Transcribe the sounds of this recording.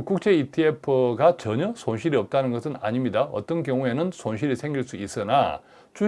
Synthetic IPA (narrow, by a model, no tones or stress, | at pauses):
kuk̚t͡ɕ͈e̞itʰiepʰɯɡat͡ɕʌɲʌsʰonɕʰiɾiʌp̚t͈anɯnɡʌsʰɯna̰ɲimɲidaʌ̰t͈ʌnkjʌŋue̞nɯnsʰonɕ̬ʰiɾisʰe̞ŋɡiɭs͈uis͈ɯna̰ | t͡ɕu